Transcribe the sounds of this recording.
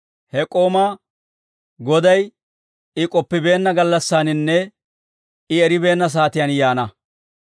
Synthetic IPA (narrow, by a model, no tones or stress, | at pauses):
hɛkʼo̞ːma | ɡɔd̪ɐj | ɪkʼɔpːɪbe̞ːnːɐɡɐlːɐsːaːnɪnːɛ | ɪɛɾɪbe̞ːnːɐs̬aːt̪ɪjɐnjaːnɐ